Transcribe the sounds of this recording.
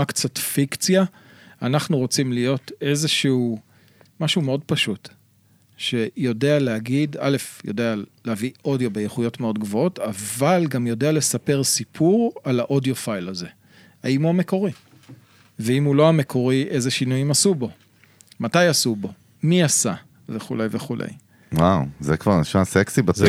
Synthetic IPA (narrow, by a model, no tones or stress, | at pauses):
akt͡satfikt͡sja | anaχnuʁo̞t͡simlijo̞te̞zeʃiu | maʃumeo̞dpaʃut | ʃe̞jo̞dealeaɡida̰le̞fjo̞de̞aleavio̞djo̞be̞jeχujo̞tmeo̞dɡvo̞o̞tavalɡamjo̞deale̞sape̞ʁsipʰuʁalaʔo̞dijo̞fajlaze̞ | haimuame̞ko̞ʁi | veimulo̞ame̞kʰo̞ʁiʔe̞zeʃinujimasubo̞ | matajasubo̞ | miasa | veχṵlejveχulḛj | wawzekvaʁnʃaseksiba